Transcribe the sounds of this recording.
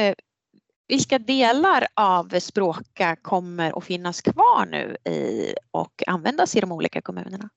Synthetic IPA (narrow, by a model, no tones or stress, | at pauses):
vɪlkad̪eːlaɾavspɾoːkakʰɔmːəɾʔɔ̰fɪnːaskʰvɑːɳʉ̟ːɪ̰ɔ̰kʰa̰nvɛnd̪asɪd̪ɔmuːlḭːkakʰɔmʉ̟ːnəɳa